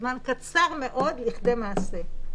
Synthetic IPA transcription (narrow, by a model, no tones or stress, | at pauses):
mankat͡saʁme̞ʔo̞dliχd̪e̞maːse